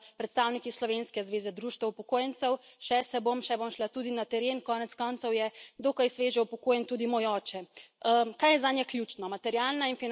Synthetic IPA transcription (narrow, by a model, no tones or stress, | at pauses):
pɾɛt̪st̪awnikislɔʋenskɛzʋeːzɛd̪ɾuːʃt̪ʋɛupɔkoːjɛnt̪sɛwʃɛsɛbomʃɛbomʃlat̪uːd̪inat̪ɛɾeːnkɔːnɛt̪skɔntsɔwjɛd̪oːkajsʋeːʒɛupɔkoːjɛnt̪uːd̪imojɔːt͡ʃɛ | kajɛzanjɛklʲjut͡ʃnɔmat̪ɛɾjaːlnainfin